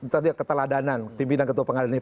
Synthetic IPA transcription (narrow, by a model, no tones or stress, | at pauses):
t̪adikət̪əladananpimpinankət̪uapəŋadana